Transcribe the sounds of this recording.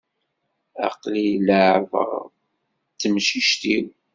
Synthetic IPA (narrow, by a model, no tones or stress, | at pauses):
ɑ̰qliləʕvə̰ʁ | t͡sːəmʃiʃt̪iw